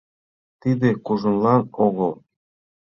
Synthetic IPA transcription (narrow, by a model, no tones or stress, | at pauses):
t̪id̪ekuʒə̆nlɑnoɣəlˠ